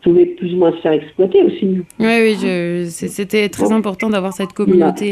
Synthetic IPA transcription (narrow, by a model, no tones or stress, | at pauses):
puvɛplyzumwɛ̃səfɛʁɛksplwat̪eosiwiwiʒəsɛset̪ɛt̪χɛzɛ̃pɔʁt̪ɑ̃d̪avwaʁsɛt̪kɔmynot̪e